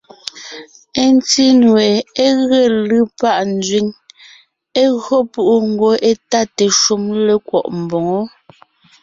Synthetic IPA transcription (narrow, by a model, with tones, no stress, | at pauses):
e˦n˦ti˦n˨ɛ˨e˦ɣe˦˨lɯ˦pa˦˨ʔn˦d͡zɥi˨˦ŋ | e˦ɣɰɔ˦pu˦ʔu˦ŋ̩˨ɡo˨˦ʔe˦ta˦te˨ʃu˦mle˦kwɔ̰˨ʔm̩˨bɔ˨ŋɔ˦